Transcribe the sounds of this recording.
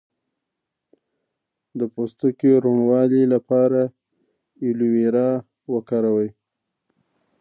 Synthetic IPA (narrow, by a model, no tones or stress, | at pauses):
d̪əpost̪ukeɾomwɑlilapɑɾa | iluweɾɑ | wəkɑɾawəj